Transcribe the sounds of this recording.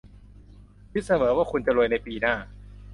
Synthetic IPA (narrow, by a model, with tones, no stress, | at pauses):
pʰi˦˥t̪̚sa˧mɤː˩˦waː˥˩kʰu˧nt͡ɕa˨lu˧jna˧jpiː˧naː˥˩